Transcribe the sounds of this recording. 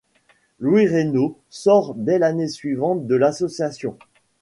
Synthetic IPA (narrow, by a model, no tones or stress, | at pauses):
lwiʁeno | sɔʁd̪ɛlanesɥivɑ̃t̪̚d̪əlasɔsjasjɔ̰̃